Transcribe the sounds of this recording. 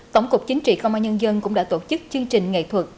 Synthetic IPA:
t̪ə̰˧˩wŋ͡mkʊ˨˩k͡p̚t͡ɕï˨˦ŋ̟t͡ɕḭ˧˨xə˧wŋ͡mʔaː˧ɲə˧nzə˧nkʊ̰˧˥ŋ͡mɗa̰ː˧˥t̪o˧˩t͡ɕɨ˦˥k̚t͡ɕɨ˧əŋt͡ɕï˨˩ŋ̟ŋḛ˧˨t̪ʰwə˨˩t̚

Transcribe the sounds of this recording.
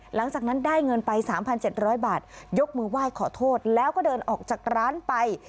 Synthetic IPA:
la˨˩˦ŋt͡ɕaː˨˩k̚na˦˥ndaː˥˩jŋɤ˧npa˧jsaː˩˦mpʰa˧nt͡ɕe˨˩t̪̚ɾɔː˦˥jbaː˨˩t̪̚jo˦˥k̚mɯː˧waː˥˩jkʰɔː˨˩˦t̪ʰoː˥˩t̪̚lɛː˦˥wkɔː˥˩dɤː˧nʔɔː˨˩k̚t͡ɕaː˨˩k̚ɾaː˦˥npa˧j

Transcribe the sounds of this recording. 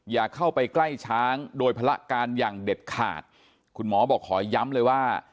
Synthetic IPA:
jaː˨˩kʰa˥˩wpa˧jkla˥˩jt͡ɕʰaː˦˥ŋdoː˧jpʰa˧la˦˥ʔkaː˧njaː˨˩ŋde˨˩t̪̚kʰa̰ː˨˩t̪̚ | kʰu˧nmɔː˩˦bɔː˨˩kʰːɔː˩˦ja˦˥mlɤː˧jwaː˥˩

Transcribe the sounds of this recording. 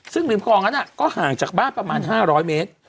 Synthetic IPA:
sɯ˥˩ŋli˨˩˦mkʰɔː˧ŋa˦˥nʔa˨˩kɔː˥˩haː˨˩ŋt͡ɕaː˨˩k̚baː˥˩npɾa˧maː˧nɦaː˥˩ɾɔː˦˥jmeː˦˥t̪̚

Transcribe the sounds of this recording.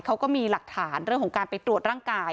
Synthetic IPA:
kʰa˦˥wkɔː˥˩miː˧la˨˩k̚t̪ʰaː˩˦nɾɯ˥˩əŋkʰɔ˩˦ŋkaː˧npa˧j̪ɾu˨˩ət̪̚ɾaː˥˩ŋkaː˧j

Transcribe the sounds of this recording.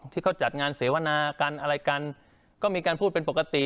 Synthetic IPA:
t̪ʰiː˥˩kʰa˥˩t͡ɕa˨˩t̪̚ŋaː˧nseː˩˦wa˧naː˧ka˧nʔa˧ɾa˧jka˧n | kɔː˥˩miː˧kaː˧npʰu˥˩pe˧npo˨˩ka˧t̪i˨˩

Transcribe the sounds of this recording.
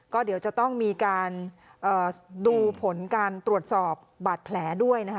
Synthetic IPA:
kɔː˥˩di˩˦wt͡ɕa˨˩t̪ɔ˥˩ŋmiː˧kaː˧nʔɤː˨˩duː˧pʰo˩˦nkaː˧nt̪ɾu˨˩ət̪̚sɔː˨˩p̚baː˨˩t̪̚pʰlɛː˩˦˥du˥˩əjna˦˥k

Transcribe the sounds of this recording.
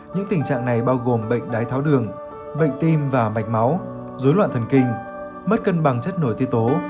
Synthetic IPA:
ɲɨ̰˧˥ŋt̪i˨˩ŋ̟t͡ɕa̰ː˧˨ŋna˨˩jɓaː˧wɣo˨˩mɓə̰˧˨jŋ̟ɗaː˨˦jt̪ʰaː˨˦wɗɨ˨˩əŋ | ɓə̰˧˨jŋ̟t̪i˧mvaː˨˩ma̰˨˧˩jk̟̚ma˨˦w | zoː˨˦jlwa̰ː˧˨nt̪ʰə˨˩nkï˧ŋ̟ | mə˦˥t̚kə˧nɓa˨˩ŋt͡ɕə˦˥t̚no˧˩jt̪ʰi˧əwt̪o˨˦

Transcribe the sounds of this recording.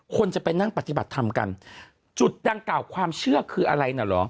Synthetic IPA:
kʰo˧nt͡ɕa˨˩pa˧jna˥˩ŋpa˨˩t̪i˨ba˨˩t̪ʰːa˧mka̰˧n | t͡ɕu˨˩t̪̚da˧ŋklaː˨˩wkʰwaː˧mt͡ɕʰɯ˥˩ɐkʰɯː˧ʔa˧ɾa˧jna˨˩lɔ̰˨˦˥

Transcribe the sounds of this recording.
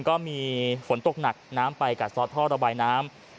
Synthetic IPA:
ŋkɔː˥˩miː˧fo˨˩˦nt̪o˨˩k̚na˨˩k̚naː˦˥mpa˧jka˨˩sɔː˧˥t̪ʰɔː˥˩ɾa˧baː˧jnaː˦˥m

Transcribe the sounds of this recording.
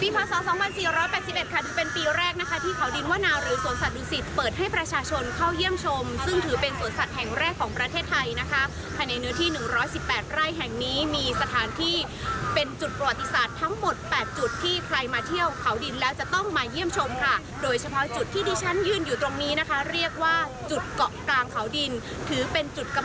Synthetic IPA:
piː˧pʰaː˧˥sɔː˩˦sɔː˩˦ŋwʰa˧nsiː˨˩ɾɔː˦˥jpɛː˨˩t̪̚si˨˩p̚e˨˩t̪̚kʰa˥˩dɯː˨˩˦pe˧npiː˧ɾɛː˥˩k̚na˦˥kʰa˦˥t̪ʰiː˥˩kʰa˩˦wdi˧nwaː˥˩naː˧ɾɯː˩˦su˨˩˦ənsa˨˩t̪̚uː˧˩si˨˩t̪̚pɤː˨˩t̪̚ha˥˩jpɾa˧t͡ɕʰaː˧t͡ɕʰo˧nkʰa˥˩wji˥˩əmt͡ɕʰo˧msɯ˥˩ŋt̪ʰɯː˩˦pe˧nsu˨˩˦ənsa˨˩t̪̚hɛ˨˩ŋɾɛː˥˩kʰːɔː˩˦ŋpɾa˧eː˥˩t̪ʰːa˧jna˦˥kʰa˦˥ | pʰaː˧jna˧jnɯ˦˥ət̪ʰiː˥˩nɯ˨˩ŋɾɔː˦˥jsi˨˩pːɛː˨˩t̪̚ɾa˥˩jɦɛ˨˩ŋniː˦˥miː˧sa˧t̪ʰaː˩˦nt̪ʰiː˥˩ | pe˧nt͡ɕu˨˩t̪̚pɾa˧wa˨˩t̪ːi˧˦saː˨˩t̪ʰːa˦˥ŋmo˨˩t̪̚pɛː˨˩t̪̚t͡ɕu˨˩t̪ʰːiː˥˩kʰɾa˧jmaː˧t̪ʰi˥˩əwkʰa˩˦wdi˧nlɛː˦˥wt͡ɕa˨˩t̪ɔ˥˩ŋmaː˧ji˥˩əmt͡ɕʰo˧mkʰa˥˩ | doː˧jt͡ɕʰa˧pʰɔ˦˥t͡ɕu˨˩t̪ʰːiː˥˩diː˧t͡ɕʰa˦˥njɯː˥˩njuː˨˩t̪ɾo˧ŋniː˦˥na˦˥kʰa˦˥ɾi˥˩ək̚waː˥˩ | t͡ɕu˨˩t̪̚kɔ˨˩klaː˧ŋkʰa˩˦wdi˧n | t̪ʰɯː˩˦pe˧nt͡ɕu˨˩t̪̚ka˧

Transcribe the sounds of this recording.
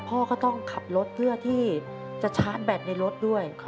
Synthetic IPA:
pʰɔː˥˩kʰɔː˥˩t̪ɔ˥˩ŋkʰa˨˩p̚lo˦˥t̪̚lɯ˥˩ət̪ʰiː˥˩ | t͡ɕa˨˩t͡ɕʰaː˦˥nbɛː˨˩p̚na˧˩jɾo˦˥t̪̚du˥˩əjʰ

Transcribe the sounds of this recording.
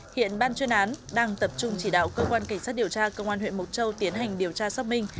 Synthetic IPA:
hḭ˧˨ənɓaː˧nt͡ɕwi˧ənʔaː˨˦nɗaː˧ŋt̪ə˨˩p̚t͡ɕʊ˧ŋ͡mt͡ɕi˧˩ɗa̰ː˧˨wkəː˧kwaː˧nka˧˩ŋ̟saː˦˥t̚ɗəwt͡ɕaː˧kə˧wŋ͡mʔaː˧nhwḛ˧˨nmo˨˩t̚t͡ɕə˧wt̪i˨˦ənɦa˨˩jŋ̟ɗi˨˩əwt͡ɕaː˧sa˦˧wmï˧˩ŋ̟

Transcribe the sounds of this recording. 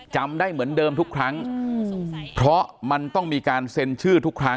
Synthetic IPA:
t͡ɕa˧mdaː˥˩jmɯ˩˦əndɤː˧mt̪ʰu˦˥kʰɾa˦˥ŋ | pʰɾɔ˦˥ma˧nt̪ɔ˥˩ŋmiː˧kaː˧nse˧nt͡ɕʰɯː˥˩t̪ʰu˦˥kʰɾa˦˥

